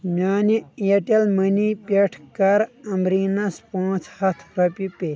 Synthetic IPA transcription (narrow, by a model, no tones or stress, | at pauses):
mʲjaːnieʈelmənipeʈʰkɐɾɐmɾiːnɐspõːt͡sʰhɐt̪ʰpɾɐpʲipe